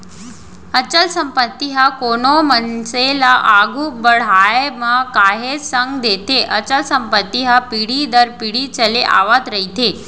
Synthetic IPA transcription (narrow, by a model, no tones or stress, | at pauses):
ət͡ɕəlsəmpət̪ːiɦakoñomənselaʔaɡʱuːbəɽ̤ajmakaɦesəŋɡd̪et̪eʔət͡ɕəlsəmpət̪ːiɦapiɽ̤id̪əɾpiɽit͡ɕəleʔa̰ʋat̪ɾəjit̪e